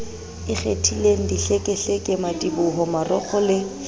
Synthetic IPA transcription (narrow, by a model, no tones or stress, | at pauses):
ɪχetʰileŋ̩diɬekʼɛɬekʼɪmatʼibʊɦɔmarɔk͡xʰɔlɪ